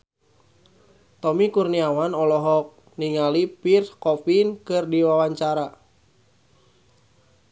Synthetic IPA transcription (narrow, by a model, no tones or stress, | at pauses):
t̪ɔmikurniawanɔlɔɦɔk̚ | niŋalipirkɔfinkɨrdiwawaɲt͡ʃaɾa